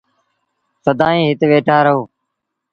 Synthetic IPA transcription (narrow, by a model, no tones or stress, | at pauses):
səd̪ãːĩːɦɪt̪ʋeːʈʰaːɾəɦoː